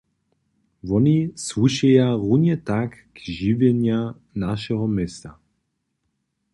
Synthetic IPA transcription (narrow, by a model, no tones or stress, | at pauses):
vɔnisvuʃɛjaʁuɲɛt̪ak | ɡʒivjɛɲja | naʃɛɦɔmɛst̪a